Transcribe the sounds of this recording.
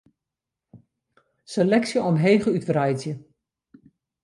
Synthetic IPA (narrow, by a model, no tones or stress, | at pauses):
selɛksjəɔmɦeːɣəytrajzjə